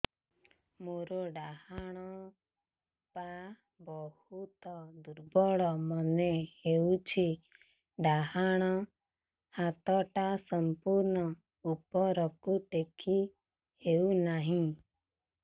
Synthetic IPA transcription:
moɾoɖahaɽ̃ɔ | pa | bɔhut̪ɔd̪uɾbɔɭɔməneheut͡ʃʰi | ɖaɦaɽ̃ɔ | hat̪ɔʈasəmpuɾnɔ | upɔɾɔkuʈekʰi | ɦeunaɦĩ

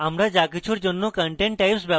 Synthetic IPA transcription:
amɾad͡ʑakit͡ɕʰuɾd͡ʑonːokəɳʈeɳʈ̚ʈːajpsba

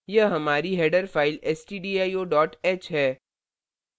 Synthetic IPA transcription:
jɐɦɐmaːɾiɦɛːɖəɾfaːɪlɛːsʈiːɖiːaːioːɖɔːʈɛːt͡ʃɦɛː

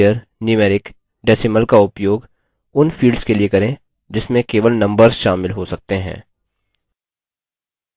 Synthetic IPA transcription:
əɾ | nimɛːɾɪk | ɖɛːsɪməlkaʊpjoːɡ | ʊnfʰiːɖskeliekɐɾẽ | d͡ʒɪsmẽkeːʋəlnɐ̃mbəɾzʃaːmɪlɦosɐk̚t̪eɦɛ̰̃ː

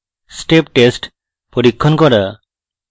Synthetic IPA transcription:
sʈep̚ʈesʈ | pɔɾikʰːɔnkɔɾa

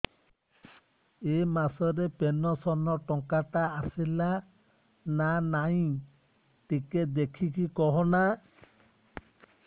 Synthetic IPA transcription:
emasɔɾepenɔsɔnɔʈɔŋkat̪aːsila | nanaĩ | ʈiked̪ekʰikikɔɦɔna

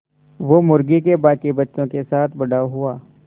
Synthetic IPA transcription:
ʋomʊɾɡikebaːkibɐtːʃõkesaːt̪ʰbɐɽaɦʊaː

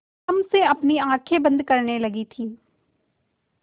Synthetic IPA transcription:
əmseəpniːãːkʰeːbə̃nd̪kəɾneːləɡiːt̪ʰiː

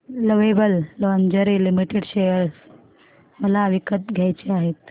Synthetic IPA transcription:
ləʋebəlloʋənd͡ʑəɾilimiʈeɽɕejəɾs | məlaʋikət̪̚ɡʱjajt͡ɕeaɦet̪

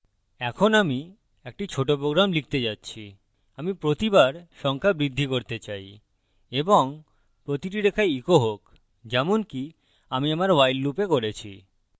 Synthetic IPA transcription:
ɛkʰonami | ek̚ʈit͡ɕʰoʈopɾoɡɾamlik̚ʰt̪ed͡ʑatːɕʰi | amipɾot̪ibaɾʃɔŋkʰabɾid̪ʱːikoɾt̪et͡ɕaj | eboŋ | pɾot̪iʈ̬iɾekʰajikoɦok | d͡ʑɛmonki | amiamaɾwajlːupekoɾet͡ɕʰḭ

